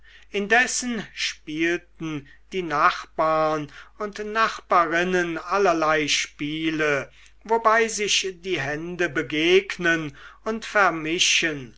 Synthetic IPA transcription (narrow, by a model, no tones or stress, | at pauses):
ʔɪndɛsənʃpiːltn̩ | d̥iːnaχb̥aːɐnʊntnaχb̥aːʁɪnənalɐlaɪʃpiːlə | vobaɪzɪʃdiːɦɛndəbəɡeːknənʊntfɛɐmɪʃən